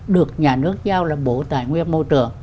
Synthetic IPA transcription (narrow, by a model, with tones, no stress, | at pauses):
ɗɨ˨˩ək̚ɲaː˨˩nɨ˦˥ək̚zaː˧wlaː˨˩ɓo˧˦t̪a̰ː˧˩˨jŋwi˧ənmo˧jt͡ɕɨ˨˩əŋ